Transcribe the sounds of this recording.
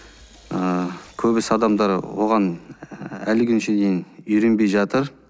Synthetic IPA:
əkʲʰɵbɪsɑd̪ɑmd̪ɑɾwo̞̰ʁɑn | ælɪɡʲʰʏnʃed̪ejnʏɾe̞nbe̞jʒɑt̪əɾ

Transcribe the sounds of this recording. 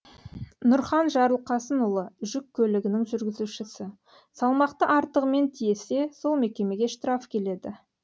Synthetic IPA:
nʊɾχɑnʒɑɾəlˠqɑsənʊlˠəʒʏkʲʰːɵlɪɡʲɪnɪŋʒʏɾɡʲɪzuʃɪsɪ | sɑlˠmɑqt̪əʔɑɾt̪əʁəme̞nt̪ʰije̞se̞so̞lˠme̞kʲe̞me̞ɡʲe̞ʃt̪ɾɑfkʲʰe̞le̞d̪ɪ

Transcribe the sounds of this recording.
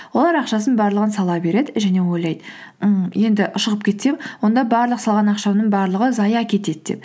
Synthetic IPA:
wo̞lˠɑɾɑqʃɑs̬ənbɑɾlˠəʁənsɑlˠɑbe̞ɾe̞d̪ɪʒæne̞wo̞jlˠɑjd̪ə | je̞nd̪ɪʔʊʃəʁəp̚kʲʰe̞t̪se̞wwo̞nd̪ɑbɑɾlˠəqsɑlˠʁɑnɑqʃɑwnəɴbɑɾlˠəʁəzɑjɑkʲʰe̞t̪e̞d̪ɪd̪e̞̰p̚

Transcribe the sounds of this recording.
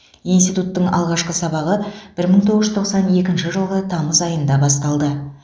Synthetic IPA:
inst̪it̪ut̪ːəɴɑ̰lˠʁɑʃqəsɑbɑʁəb̥ɪɾməɴt̪ʰoʁəʒəzt̪ʰo̞qsɑne̞kʲɪnʃɪʒəlˠʁət̪ʰɑməzɑjənd̪ɑbɑst̪ɑlˠd̪ə

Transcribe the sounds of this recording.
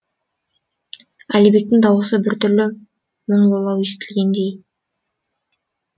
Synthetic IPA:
ælijbe̞k̚t̪ɪŋd̪ɑwəsəbɪɾt̪ʰʏɾlɪ | woɴlˠolˠɑwjest̪ɪlɡʲend̪e̞j

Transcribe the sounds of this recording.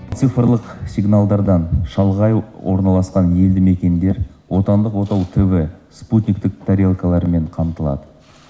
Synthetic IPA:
t̪sɨfəɾlˠəqsʲijɡnalˠd̪ɑɾd̪ɑnʃɑlˠʁɑjwʔo̞̰ɾnɑlˠɑsqɑnje̞ld̪ɪme̞kʲe̞nd̪e̞ɾwo̞t̪ɑnd̪əqwo̞t̪ɑwt̪ʰɪvɪsput̪ʲnʲik̚t̪ɪk̚t̪ʰaɾʲelˠkalˠɑɾme̞ɴqʰɑmt̪əlˠɑ̰d̪ə

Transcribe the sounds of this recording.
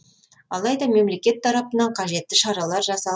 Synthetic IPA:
ɑlˠɑjd̪ɑme̞mle̞kʲe̞t̪ʰːɑɾɑpənɑɴqʰɑʒe̞t̪ːɪʃɑɾɑlˠɑɾʒɑsɑ

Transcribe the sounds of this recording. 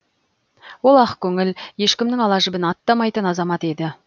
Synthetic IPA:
wo̞lˠɑqkʲʰɵŋɪlje̞ʃkʲɪmnɪŋɑlˠɑʒɪbɪnɑt̪ːɑmɑjt̪ənɑzɑmɑt̪e̞d̪ɪ

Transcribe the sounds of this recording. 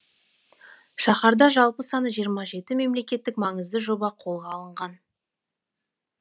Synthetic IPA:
ʃɑχɑɾd̪ɑʒɑlˠpəsɑnəʒijəɾmɑʒe̞t̪ɪme̞mle̞kʲe̞t̪ːɪkmɑŋəzd̪ɪʒo̞bɑqʰo̞lˠʁɑlˠəɴʁɑn

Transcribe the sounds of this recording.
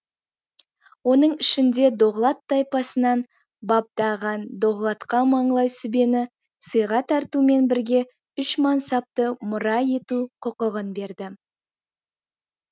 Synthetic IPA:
wo̞nəɴɪʃɪnd̪e̞d̪o̞ʁlˠɑt̪ːɑjpɑsənɑn | bɑp̚d̪ɑʁɑnd̪o̞ʁlˠɑt̪qɑmɑɴlˠɑjsʏbe̞nɪ | səjʁɑt̪ʰɑɾt̪ume̞nbɪɾɡʲe̞ | ʏʃmɑnsɑp̚t̪əmʊɾɑje̞t̪uqʰʊqəʁənbe̞ɾd̪ɪ

